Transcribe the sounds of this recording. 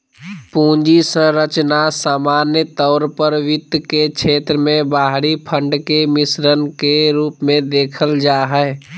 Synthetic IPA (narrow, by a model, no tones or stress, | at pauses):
pũːɲd͡ʒisə̃ɾət͡ʃnasaːmaːnjət̪ɔʊɾpəɾʋɪt̪kekt͡ʃʰeːt̪ɾəmẽbaːɦɽipʰə̃ɳɖkemɪsɾənkeɾuːpmẽd̪eːkʰəld͡ʒaːɦɛː